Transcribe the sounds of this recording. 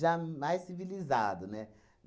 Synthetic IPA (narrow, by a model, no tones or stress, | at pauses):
ʒamajsːivilizad̪ʊnɛ | m